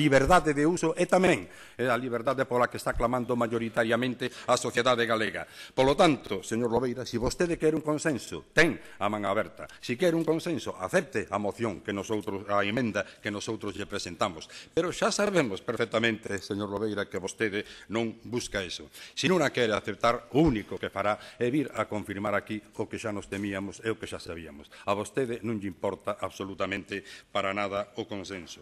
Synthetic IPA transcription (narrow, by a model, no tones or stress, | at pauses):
liβeɾðaðeðeusoʔet̪amɛ̃ŋ | ealiβ̞eɾðaðepolakest̪aklamãnd̪ʊmaʝoɾit̪aɾjamẽnt̪ɪasoθjeðaðeɣaleɣɐ̰polot̪ant̪ʊseɲoɾloβejɾasiβost̪eðekɛɾuŋkõnsẽnsʊ̰t̪ɛŋ | amãŋaβɛɾt̪ɐ̰sikjɛɾuŋkõnsẽnsʊʔa̰θɛp̚t̪ɪʔamoθjõŋkenosowt̪ɾʊsaemẽnd̪ɐkenosowt̪ɾozʎepɾesent̪amʊspeɾʊʃasaβemʊspeɾfɛk̚t̪amẽnt̪ɪseɲoɾloβejɾakeβost̪eðɪnõŋbuskaesʊ̰sinũŋakɛɾeaθep̚t̪aɾounikʊkefaɾaeβiɾakoɱfiɾmaɾakiʊkeʃanʊst̪emiamʊseʊkeʃasaβiɐmʊsaβost̪eðɪnũŋʎimpɔɾt̪aʔaβsolut̪amẽnt̪ɪpaɾanað̞ɐʊkonsensʊ